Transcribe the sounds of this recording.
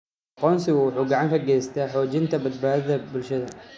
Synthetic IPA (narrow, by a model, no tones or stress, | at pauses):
ʔɑqɔːnsɪɣʊwʊħuːɡɑʕɑŋkʰɐɡɛːjst̪ʰɛħɔːt͡ʃɪnt̪ʰɐbɐd̪̚baːðɐðɐbʊlʃɐðɐ